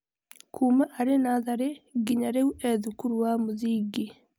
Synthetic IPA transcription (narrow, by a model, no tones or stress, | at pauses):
kʰumaʔaɾenaðaɾeɡiɲaɾeuʔeðukuɾuwamuðiːɡi